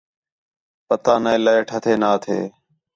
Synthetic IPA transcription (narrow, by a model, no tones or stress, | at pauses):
pət̪aːnəeːləeʈʰət̪ʰeːnaːt̪ʰḛː